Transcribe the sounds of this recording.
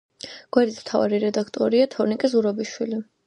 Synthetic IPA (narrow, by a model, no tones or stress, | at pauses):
ɡ̥wɛɾd̪ism̥t̪ʰava̰ɾiɾɛd̪akʰt̪ʼɔɾiat̪ʰɔɾnikʼɛzuɾɔbiʃwili